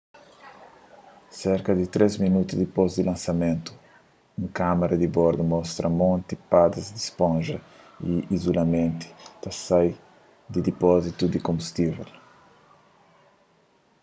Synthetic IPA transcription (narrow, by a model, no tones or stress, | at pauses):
sɛɾkɐd̪it̪ɾezminut̪uzd̪ipozd̪ilãnsamẽnt̪u̥ | ũŋkamaɾɐd̪ibɔɾd̪umɔst̪ɾɐmɔ̃nt̪ipad̪ɐzd̪ispõnʒɐ | iizulamẽnt̪i̥t̪asaj | d̪id̪ipɔzit̪ud̪ikõmbust̪ivḛl